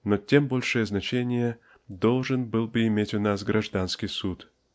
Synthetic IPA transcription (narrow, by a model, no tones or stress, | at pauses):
notʲembo̞lʲʂɨjəznɐt͡ɕenʲɪjə | d̪o̞lˠʐɨnbɨlˠbɨɪmʲetʲʊnasɡɾʔɐʐd̪anskʲɪjsut̪